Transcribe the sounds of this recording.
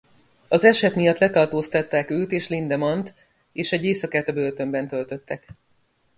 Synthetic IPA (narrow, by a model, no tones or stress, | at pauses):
ɒzɛʃɛt̪mijɒt̪lɛt̪ɒrt̪oːst̪ɒt̪ːaːkøːt̪eːʃlind̪ɛmɒnt̪ | eːʃɛɟeːsɒkaːt̪ɒbølt̪ø̞mbɛnt̪ø̞lt̪ø̞t̪ːɛk